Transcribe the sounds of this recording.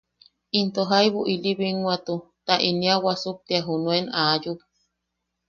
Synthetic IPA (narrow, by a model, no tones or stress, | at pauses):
int̪oɦajβuʔiliβiŋwat̪u | t̪aʔiniawasup̚t̪iaɦunuenaːjup̚